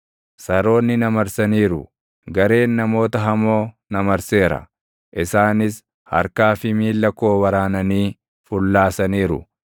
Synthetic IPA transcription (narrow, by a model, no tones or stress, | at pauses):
sɐɾo̞ːnːɪnɐmɐɾsɐniːɾʊ | ɡɐɾe̞ːnːɐmo̞ːt̪ɐɦɐmo̞ː | nɐmɐɾse̞ːɾɐ̰ | ʔɪsaːnɪs | hɐ̰ɾkaːfɪmiːlːɐko̞ːwɐɾaːnɐniː | fʊlːaːsɐniːɾʊ̰